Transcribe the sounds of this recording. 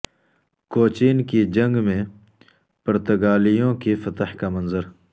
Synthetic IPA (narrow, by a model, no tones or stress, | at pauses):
koːt͡ʃiːnkid͡ʒɐ̃ŋɡmẽ | pɐɾt̪ɐɡaːlijõːkifɐt̪hkamɐnzəɾ